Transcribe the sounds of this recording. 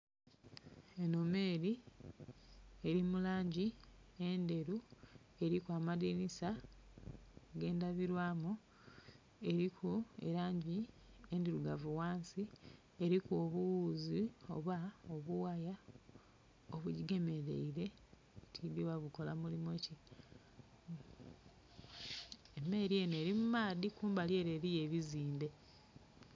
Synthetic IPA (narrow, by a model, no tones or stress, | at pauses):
e̞nome̞ːɾi | e̞ɾimulaːɲɟiende̞ɾu | e̞ɾikwaːmadinisa | ɡe̞ːndaβiɾwaːmu | e̞ɾikʰuḛɾaːɲɟi | endiɾuɡavuwaːnsi | e̞ɾikuoβuwuːzio̞̰βaoβuwaja | oβuɟiɡe̞me̞ɾe̞̰iɾe̞ | tʰiβowaβuko̞lamulimo̞ce | emːe̞ɾiene̞ːɾimumaːðikuːmbaljeːɾe̞ɾije̞βiziːnde̞